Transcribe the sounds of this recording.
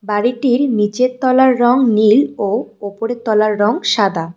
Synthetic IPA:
baɾiʈiɾmit͡ɕet̪ːɔlaɾːɔŋniloopoɾet̪ɔlaɾːɔŋʃad̪ʱa

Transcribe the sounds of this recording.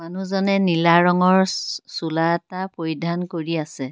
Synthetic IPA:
manuzɔnɛnilaɹɔŋɔɹsulaɛtapojdʱankoɹiasɛ

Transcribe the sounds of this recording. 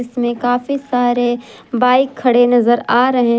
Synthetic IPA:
ɪsmẽkaːfisaːɾe | baːɪkʰːɐɽenɐzəɾaːɾɐɦe

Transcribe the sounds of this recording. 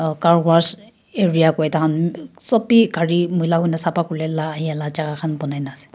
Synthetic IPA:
kaɹɡaɹs | eɹijakɔjtaɦansɔpikaɹimujlaɦujnasapakulɛlaːɦiɛlat͡ʃakakʰanpɔnajnasɛ̥

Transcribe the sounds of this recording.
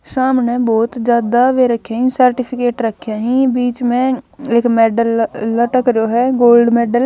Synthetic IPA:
saːmneːbɔːt̪d͡ʒaːd̪aʋeːɾəkʰːjaːɦĩːsəɾʈɪpʰɪkeːʈɾəkʰːjaːɦĩːbiːt͡ʃmẽːɪkmɛːɖəlːəʈəkɾoːɦɛːɡoːlɖmɛːɖəl

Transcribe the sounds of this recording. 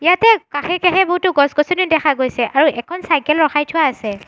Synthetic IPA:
ijatɛkaxɛkaxɛboɦutːʊɡɔsɡɔsɔnidɛxʰaɡojsɛʔaɹuʔɛkʰɔnsajkɛlɹɔxajtʰʊaːsɛ

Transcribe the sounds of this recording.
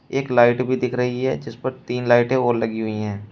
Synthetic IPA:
eːklaːɪʈbʱid̪ɪkʰɾɐɦiɦɛ̰d͡ʒɪspəɾt̪iːnlaːɪʈẽoːɾlɐɡiɦʊiɦɛ̃ː

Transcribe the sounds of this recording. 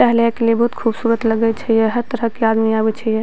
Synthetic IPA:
ɛɦljakeliebəɦut̪kʰubsuːɾət̪ləɡɛt͡ʃʰɛjeɦəɾt̪əɾəɦkead̪miabɛt͡ʃʰɛje

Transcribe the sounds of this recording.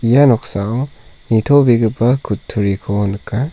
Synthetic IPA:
ijanɔksawnitʰobiɡɯbakʰutʰːuɾikʰonɯkʰa

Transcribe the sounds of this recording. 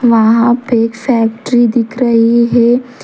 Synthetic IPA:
ʋɐɦãpeːkfɛːk̚ʈɾid̪ɪkʰɾəɦiɦɛ

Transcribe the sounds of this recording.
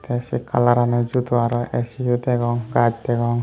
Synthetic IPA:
t̪ɛsika̰laɾanɛd͡ʒut̪uaɾɔɛsiud̪ɛɡɔŋɡad͡ʒt̪ɛɡɔŋ

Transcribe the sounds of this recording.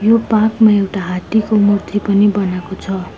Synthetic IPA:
jopãkmaewʈaɦat̪ikomurt̪ʰipʌnibʌnakot͡sʰʌ

